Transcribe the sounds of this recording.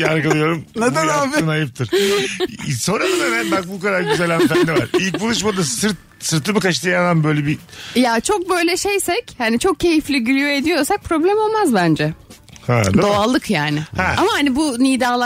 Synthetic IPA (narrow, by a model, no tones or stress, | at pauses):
aɾɡalˠɯjo̞ɾumneanaːbinajɯp̚t̪ʰɯɾ̥ | so̞nɾad̪anemænbak̚bukad̪aɾɟyzɛlʲænfɛnd̪ɛva̰ɾilʲcbulˠuʃ̬mad̪asɯɾt̪̚ | sɯɾt̪ʰːɯmɯkʰaʃt̪ʰajad̪anbø̞jlʲɛbijat͡ʃʰo̞k̚bø̞jlʲɛʃejsɛchanit͡ʃʰo̞k̚cʰːe̞jiflʲiɟylʲyjoe̞d̪ijo̞ɾsak̚pʰɾo̞blʲɛmo̞lˠmazbænd͡ʒɛ | hɛ̰d̪d̪ao̞alˠɯkjaːnɪhɛamahanibuniːd̪aːlˠa